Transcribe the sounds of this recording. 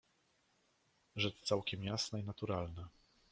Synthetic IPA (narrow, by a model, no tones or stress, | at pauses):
ʐɛt͡ʂt̪sawkʲɛmjasnainat̪uɾalnɘ